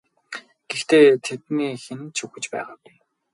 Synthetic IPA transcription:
ɡ̥ext̪eːt̪ʰet̪niːxenɘ̆nt͡ɕʰuxɵ̆t͡ɕpæ̰ːʁaːtːn

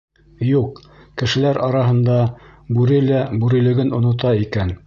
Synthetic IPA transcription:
juqkɘ̆ʃɘ̆læɾʔɑɾɑɦɤ̆nd̪ɑbʉɾɘlæbʉɾɘ̆lɘ̆ɡɘnŏnŏt̪ɑikæn

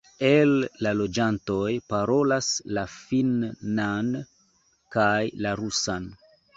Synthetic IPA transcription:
elːalo̞d͡ʒanto̞jpaɾo̞laslafinːan | kajlaɾusan

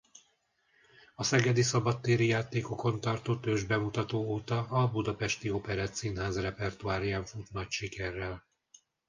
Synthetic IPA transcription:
ɒsɛɡɛd̪isɒbɒt̪ːeːɾijaːt̪eːko̞ko̞nt̪ɒrt̪oːt̪øːʒbɛmut̪ɒt̪oːoːt̪ɒɒbud̪ɒpɛʃt̪io̞pɛɾaːt̪sinɦaːzrɛpɛrt̪uaːɾjaːɱfut̪nɒcʃikɛrːɛl

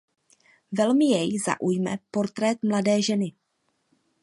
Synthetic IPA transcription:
vɛlmɪjɛjza̰ʔujmɛ̰po̞ɾt̪ɾɛt̪mladɛːʒɛnɪ

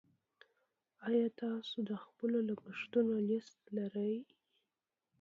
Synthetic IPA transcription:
ɑjɑt̪ɑsod̪əxpəlolapəʂt̪unolɪst̪laɾəj

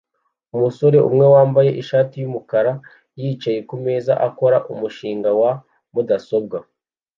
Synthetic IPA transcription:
umuso̞ɾe̞ʔṵmŋe̞waːmbaje̞ʔiʃaːtijumukaɾa | jiːt͡ʃaje̞kume̞ːza̰ʔako̞ɾaʔumuʃiːŋɡawa | mudaso̞b̚ɡa

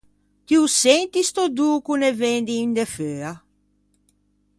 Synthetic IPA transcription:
t̪iusent̪ist̪od̪uːkunevend̪iːnd̪eføːa

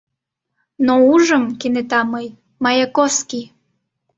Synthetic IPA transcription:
nouʒəmkenet̪ɑməj | mɑjɑkoski

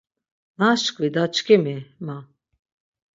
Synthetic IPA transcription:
naʃkʼvid̪at͡ʃkʰɛmɛma

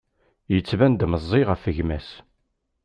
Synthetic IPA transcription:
jət͡sːvænd̪məzˤːiʁəfəʝmæs

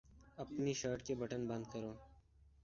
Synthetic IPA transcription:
ɐpniʃəːɾʈkebɐʈənbɐ̃nd̪̚kɐɾoː

